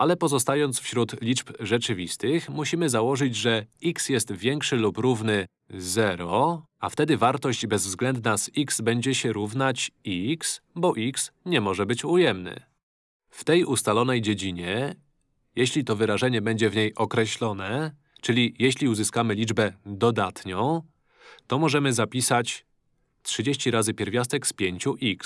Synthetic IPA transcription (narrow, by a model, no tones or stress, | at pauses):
ʔalɛpɔzɔst̪ajɔnt̪sfɕɾut̪lʲit͡ʂpʐɛt͡ʂɘvʲist̪ɘxmuɕimɘzawɔʐɘd͡ʑʐɛiksjɛst̪vʲjɛŋkʂɘlupɾuvnɘ | zɛɾɔ | aft̪ɛd̪ɘvaɾt̪ɔɕd͡ʑbɛzvzɡlɛnd̪nasiksbɛɲd͡ʑɛɕɛɾuvnat͡ɕiksbɔʔiksɲɛmɔʐɛbɘt͡ɕujɛmnɘ̰ | ft̪ɛjust̪alɔn̪ɛjd͡ʑed͡ʑiɲɛ | jeɕlʲit̪ɔvɘɾaʐɛɲɛbɛɲd͡ʑɛvɲejʔɔkɾɛɕlɔnɛ | t͡ʂɘlʲijeɕlʲiuzɘskamɘlʲid͡ʐbɛd̪ɔd̪at̪ɲɔ̃w̃ | t̪ɔmɔʐɛmɘzapʲisat͡ɕ | tʂɘd͡ʑeɕt͡ɕiɾazɘpʲjɛɾvʲjast̪ɛkspʲjeɲt͡ɕuʔiks